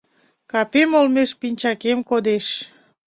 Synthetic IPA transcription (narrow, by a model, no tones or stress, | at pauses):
kɑpemolmeʃpinʲt͡ɕɑkemkod̪eʃ